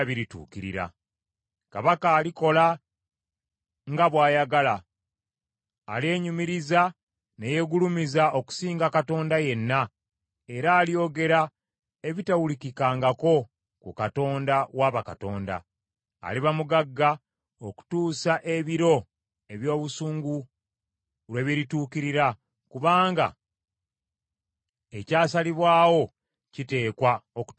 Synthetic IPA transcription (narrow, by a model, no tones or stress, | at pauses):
βiɾitṵːkiɾḭɾa̰ | kaβakaːliko̞la | ŋɡaβwaːjaɡala | le̞ːɲumiɾiza | neje̞ɡulumizaʔo̞ku̥siːŋɡakato̞ːndaje̞nːa | e̞ɾaːlio̞ːɡe̞ɾa | e̞βitawulikikaːŋɡako̞ | kṵkato̞ːndawaβakato̞ːnda̰ː | liβamuɡaɡːa | o̞ku̥tuːsaʔe̞βiɾo̞ | e̞βjo̞ːβusuːŋɡu | lweβiɾituːkiɾiɾa | kuβaːŋɡa̰ | e̞caːsaliβwaːwo̞ | cite̞ːkwaok